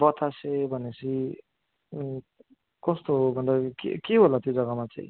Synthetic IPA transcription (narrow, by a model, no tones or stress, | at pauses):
bʌt̪ʰasebʱʌnesʰi | kʌst̪obʱʌnd̪akḛkeɦolat̪jod͡zʌɡamat͡sa̰ĩ